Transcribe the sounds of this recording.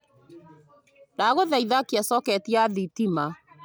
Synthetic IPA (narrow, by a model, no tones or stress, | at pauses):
naɣoðaiðakiasɔkɛtiaðitima